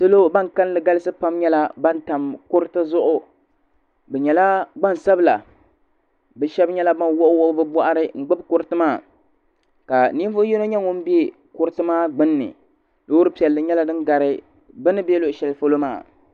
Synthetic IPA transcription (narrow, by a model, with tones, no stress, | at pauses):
sɨ˦lo˦ba˦ŋ˨ka˦n˦lɨ˨ɡa˦lɨ˦sɨ˦pa˦mɲɛ˦la˦ba˦nta˨mkʊ˦ɾɨ˦tɨ˦zʊ˦ʔʊ˦ | bɛ˨ɲɛ˨la˦ɡ͡ba˦n˨sa˦bla̰˨ | bɛ˦ʃɛ˦bɲɛ˦la˦ba˦nwʊ˦ʔʊ˦wʊ˦ʔʊ˦bɨ˦bɔ˦ʔa˦ɾɨ˦ŋ̩˨ɡ͡bɨ˦b̚kʊ˦ɾɨ˦tɨ˦maː˦˨ | ka˨ni˦vʊ˦jɛ˦no˦ɲɛ˦ŋʊ˦m̩˦bi˦ | kʊ˦ɾɨ˦tɨ˦maː˦ɡ͡bɨ˦nːɨ̰˨ | lo˦wʊ˦ɾɨ˦pi˨ɛ˨lːɨ˨ɲɛ˦la˦dɨ˦nɡa˨ɾɨ˦ | bɨ˦nɨ˦be˦lo˦ʔʃɛ˨lfo˦lo˦maː˦˨